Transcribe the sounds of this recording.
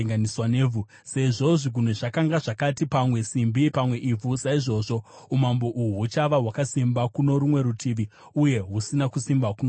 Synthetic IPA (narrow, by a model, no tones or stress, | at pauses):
ŋɡaniswaneːvʱu | se̞ʐo̞ʐiɡʱun̤eʐakaŋɡaʐakatipamwe̞simbipamwe̞ʔivusaiʐo̞ʐo̞ | umambo̞ʔuɦɦut͡ʃaʋaɦwakasimbakuno̞ɾumwe̞ɾutʰiʋi | uje̞ɦusinakusimbakuno